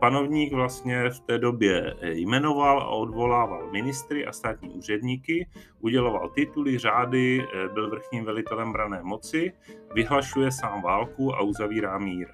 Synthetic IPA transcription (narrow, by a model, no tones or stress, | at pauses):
pano̞vɲiːɡvlast̪ɲɛft̪ɛːdo̞bjɛjmɛno̞vala̰ʔo̞dvo̞laːvalmɪnɪst̪ɾɪʔa̰st̪aːt̪ɲḭːʔuːr̝ɛdɲikɪʔuɟɛlo̞va̰lt̪ɪt̪ulɪr̝aːdɪbɪlvr̩xɲiːmvɛlɪt̪ɛlɛmbɾanɛːmo̞t͡sɪavɪɦlaʃujɛsaːmvaːlkua̰ʔuzaviːɾaːmiːɾ